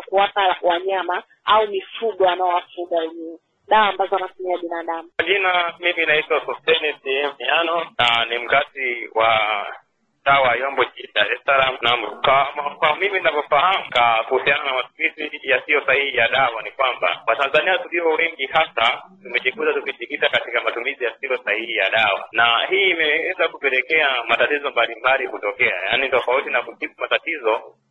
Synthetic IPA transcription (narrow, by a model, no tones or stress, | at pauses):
akuwapawaɲama | aumifuɡɔanaɔwafuɡawɛɲɛɛ | ɗawaːmbazɔanatumiaɓinaɗamukwaʄinamiminaitwasɔtɛnisiɛmianɔnanim̩katiwʔa | tawajɔmbɔʄiɗaɾɛsalamnamkamakwamimininavɔfahamukakuhusiananamatumizijasiɔsahihijaɗawanikwamba̰watanzaniatuliɔwɛŋɡihasatumɛʄikutatukiʄikitakatikamatumizijasiɔsahihijaɗawa̰nahiːmɛwɛzakupɛlɛkɛamatatizɔmbalimbalikutɔkɛa̰janitɔfautinakuʄiɓumatatizɔ